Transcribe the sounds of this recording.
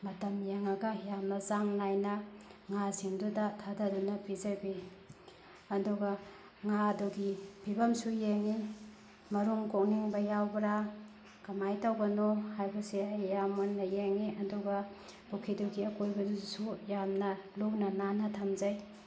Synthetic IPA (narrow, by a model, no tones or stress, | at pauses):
mɐtɐmjeŋɐɡɐjamnɐzaŋnajnɐŋasiŋdudɐtʰadɐdunɐpizɐbi | ɐduɡɐ | ŋaduɡipʰibɐmsujeŋi | mɐɾuŋkok̚niŋbɐjawbɾa | kɐmajtɐwbɐnohajbɐsiɐjjamonːɐjeŋiɐduɡɐ | b̥ukʰiduɡiɐkojbɐdusujamnɐluwnɐnanɐtʰɐmzɐj